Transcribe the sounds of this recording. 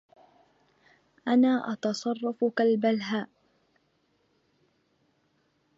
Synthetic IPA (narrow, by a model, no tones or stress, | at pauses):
ʔanaːʔɑt̪ɑsˤɑrˤːɑfʊkalbalɦaːʔ